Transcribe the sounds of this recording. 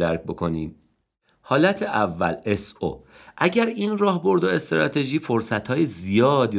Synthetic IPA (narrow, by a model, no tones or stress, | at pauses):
æɾc̚bo̞kʰo̞niːm | hɒːlæt̪ʰeʔævːæ̰leso̰ʔæɟæɾiːnrɒːɦbo̞ɾd̪oe̞st̪ɾɒːt̪ʰe̞ʒiːfo̞ɾsæt̪hɒːjezijɒːd̪